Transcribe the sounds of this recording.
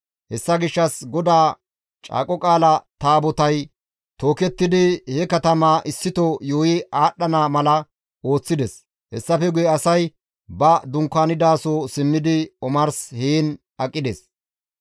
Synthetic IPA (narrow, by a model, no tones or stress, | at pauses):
hɛsːɐɡɪʃːɐsɡɔd̪aː | t͡ʃʼa̰ːkʼɔkʼaːlɐt̪aːbɔt̪ɐj | t̪o̞ːkɛt̪ːɪd̪ɪhɛkɐt̪ɐmaːʔɪsːɪt̪ɔjoːjɪʔaːɗɐnaːmɐlɐ | o̞ːt͡sːɪd̪ɛs | hɛsːɐfɛɡʊjɛɐsɐj | bɐd̪ʊŋkːaːnɪd̪aːsɔsɪmːɪd̪ɪɔmɐɾsheːn | ɐkʼːɪd̪ḛs